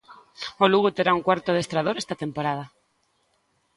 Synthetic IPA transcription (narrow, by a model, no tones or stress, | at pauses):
oluɣut̪eɾauŋkwaɾt̪oðest̪ɾað̞oɾest̪at̪empoɾaða